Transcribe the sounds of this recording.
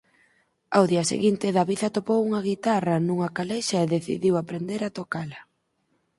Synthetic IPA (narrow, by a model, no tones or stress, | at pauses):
awðiɐsḛɣint̪ɪðɐβiðɐt̪opowuŋɐɣ̞it̪arɐnũŋɐkalejʃɐeðeθḭðiwapɾend̪eɾat̪okalɐ